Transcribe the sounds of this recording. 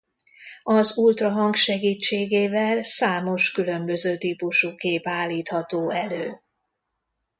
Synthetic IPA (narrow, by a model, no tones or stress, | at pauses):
ɒzult̪rɒɦɒŋɡʃɛɡiːt͡ʃːeːɡeːvɛlsaːmo̞ʃkylø̞mbø̞zøːt̪iːpuʃukeːpaːlːiːt̪hɒt̪oːɛløː